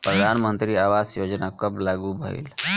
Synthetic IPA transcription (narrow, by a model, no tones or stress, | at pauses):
pɾəd̪ʱanmənt̪ɾiːaʋasjod͡ʒnakəplaɡuːbʱə̰ḭːl